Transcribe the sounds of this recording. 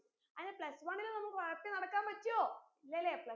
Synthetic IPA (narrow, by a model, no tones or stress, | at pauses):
ɐnepɭɐsʋaːɳilenɐmːɐkːʋɐɻɐpːenɐɽɐkːaːmpɐtːoː | ilːelːepɭɐ